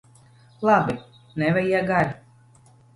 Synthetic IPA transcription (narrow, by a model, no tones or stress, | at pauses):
lˠabi | nɛvɛjiɛɡaɾʲ